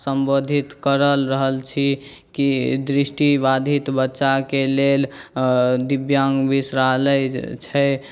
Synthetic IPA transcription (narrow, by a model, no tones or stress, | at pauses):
səmbod̪ʱit̪kəɾəlɾəɦəlt͡ʃʰi | kid̪ɾisʈibad̪ʱit̪bətːʃakelel | d̪ibjaŋɡbisɾaləjt͡ʃʰɛ